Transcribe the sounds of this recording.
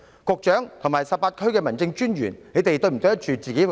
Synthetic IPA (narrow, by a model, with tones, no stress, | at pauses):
kɔː˧k̚t͡ʃœː˨˥ŋt̪ʰʊ˨˩ŋmaː˨jsɐ˨p̚ːaː˧t̚kʰɵ˥ɥkɛː˧mɐ˨˩nt͡sɪ˧ŋt͡ʃyː˥nɥy̰ː˨˩nne˨˧t̪e˨jt̪ɵ˧ɥm̩˨˩t̪o˧jt̚t͡ʃyː˨t͡siː˨ke˨˥